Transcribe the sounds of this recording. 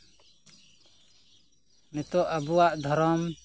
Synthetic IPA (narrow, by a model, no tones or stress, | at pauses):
mɛt̪ɔʔabuwaʔd̪ʱɔɾɔm